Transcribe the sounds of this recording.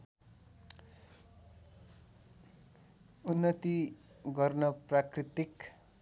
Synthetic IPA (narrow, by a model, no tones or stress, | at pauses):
unːʌt̪i | ɡʌrnʌprakrit̪ik